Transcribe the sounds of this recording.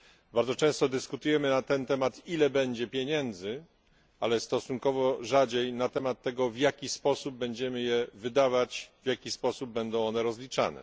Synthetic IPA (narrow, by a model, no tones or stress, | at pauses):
baɾd̪ɔt͡ʂɛ̃w̃st̪ɔd̪ɘskut̪ujɛmɘnat̪ɛnt̪ɛmat̪ilɛbɛɲd͡ʑɛpʲjeɲɛnd̪zɘ | alɛst̪ɔsuŋkɔvɔʐad͡ʑejnat̪ɛmat̪ːɛɡɔvjakʲispɔsub̚ːɛɲd͡ʑɛmɘjɛvɘd̪avat͡ɕvʲjakʲispɔsub̚bːɛnd̪ɔ̃w̃ɔnɛɾɔzlʲit͡ʂa̰nɛ̰